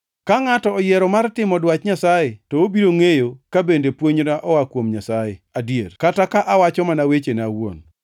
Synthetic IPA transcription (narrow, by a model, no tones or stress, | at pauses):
kaŋatɔːjɛɾɔmartɪmɔdwat͡ʃɲasajetɔobiɾoŋejokabendepwoɲɾaʔɔwakwomɲasajeadjerkatakaʔawat͡ʃɔmanawet͡ʃenawo̰n